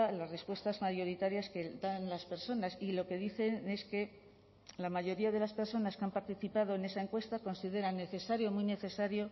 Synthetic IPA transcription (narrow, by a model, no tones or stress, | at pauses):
alasre̞spwe̞st̪azmaʝo̞ɾit̪aɾjaske̞d̪anlaspe̞ɾso̞nasilo̞ke̞ðiθe̞ne̞ske̞ | lamaʝo̞ɾiaðe̞laspe̞ɾso̞naskeampaɾt̪iθipað̞o̞e̞ne̞sae̞ŋkwe̞st̪ako̞nsiðe̞ɾanːe̞θesaɾjo̞mujne̞θe̞saɾjo̞